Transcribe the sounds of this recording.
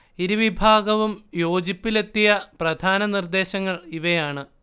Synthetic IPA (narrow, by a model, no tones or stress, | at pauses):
iɾuʋibʱaːɡɐʋumjo̞ːd͡ʑipːile̞t̪ːijɐprɐd̪ʱaːnɐnird̪e̞ːɕɐŋːɐɭiʋɐjaːɳɨ